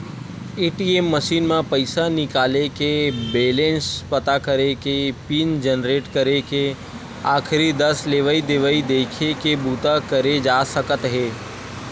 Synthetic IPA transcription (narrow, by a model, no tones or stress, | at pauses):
eːʈiemːəʃiːnmãpəɪsanɪkaːlekebeːlẽnspət̪akəɾekepiːnd͡ʒənɾeːʈkəɾeke | aːkʰɾid̪əsleːʋəid̪ɪʋəid̪eːkʰekebuːt̪akəɾed͡ʒaːsəkət̪ɦeː